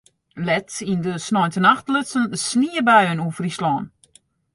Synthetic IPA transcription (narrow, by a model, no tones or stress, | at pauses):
lɛtindəsnɔjntənaxtlɪtsənsniəbɛjønufrislɔːn